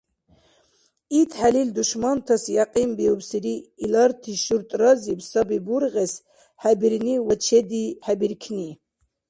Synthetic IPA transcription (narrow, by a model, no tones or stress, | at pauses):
it̪ʰħalild̪uʃmɑnt̪ʰasjaqʼimbiubsiɾiːlɑɾt̪ʰiʃuɾt̪ʼɾɑzibsɑbibuɾɣɛs | ħabiɾniwɔt͡ʃʰɛd̪iħabiɾkʰni